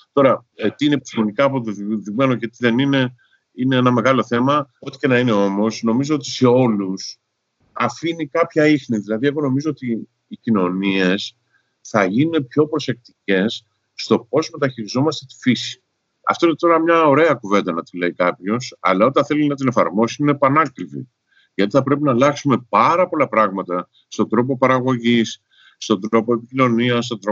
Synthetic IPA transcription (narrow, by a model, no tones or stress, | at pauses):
t̪o̞ɾɐt̪iine̞pi̥st̪imo̞nikɐːpot̪oðimenoce̞t̪iðe̞nine̞ | ine̞enɐme̞ɣɐlo̞θe̞mɐot̪i̥ce̞nɐine̞o̞mo̞sno̞mizo̞o̞t̪i̥se̞o̞lus | ɐfinikɐpçɐixniðilɐðie̞ɣo̞no̞mizo̞ot̪iː | cino̞nie̞s | θɐʝinunepço̞pɾose̞k̚t̪ice̞s | sːt̪o̞po̞zme̞t̪ɐçiɾizo̞mɐst̪e̞t̪i̥fisi̥ | ɐ̰ft̪o̞ine̞t̪o̞ɾɐmɲɐo̞ɾe̞ɐkuve̞nd̪ɐnɐt̪ile̞ikɐpço̞sɐ̰lɐo̞t̪ɐ̃nθe̞linɐt̪̬ine̞fɐ̰ɾmo̞siinepɐnɐkɾivḭ | ʝɐt̪iθɐpɾe̞pinɐlɐksume̞pɐɾɐpo̞lɐpɾɐɣmɐt̪ɐ | st̪o̞nd̪ɾo̞p̬o̞pɐɾɐɣo̞ʝisː | t̪o̞nd̪ɾɾo̞poepicino̞niɐs̬t̪o̞nd̪ɾo